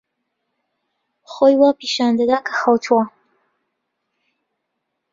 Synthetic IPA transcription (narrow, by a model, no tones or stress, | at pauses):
xojwapiʃɑnd̪ad̪akḁxawt̪ʰwa